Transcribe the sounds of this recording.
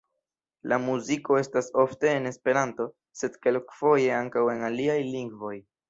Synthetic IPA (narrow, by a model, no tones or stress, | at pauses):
lamuziko̞e̞staso̞fte̞ːne̞spe̞ɾanto̞ | se̞dke̞lkfo̞je̞aŋkawe̞naliajliŋɡvo̞j